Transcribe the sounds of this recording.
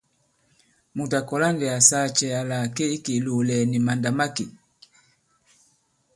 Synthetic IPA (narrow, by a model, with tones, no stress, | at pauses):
mu˨ta˨kɔ˨la˦ndɛ˨a˨sa˦t͡ʃɛ˨a˨la˨ke˦i˦ki˨lu˨lɛ˨ni˨ma˨nda˨ma˦ki˨